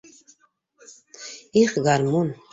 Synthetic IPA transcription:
iχɡaɾmun

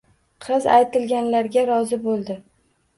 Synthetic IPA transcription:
qʰɨza̰jt̪ɪlɡʲanlaɾɡʲaɾɒzɪbolˠd̪ɪ

